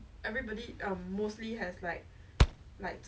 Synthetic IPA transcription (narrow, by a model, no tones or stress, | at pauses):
ʔɛvɹibɔdiʔʌ̃mːostliɦɛslaɪk̚ | laɪk̚t